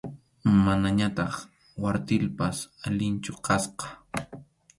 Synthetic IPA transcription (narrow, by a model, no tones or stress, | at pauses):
manaɲat̪ɑχ | waɾt̪ɪlpasalɪnt͡ʃʊkɑsqɑ̥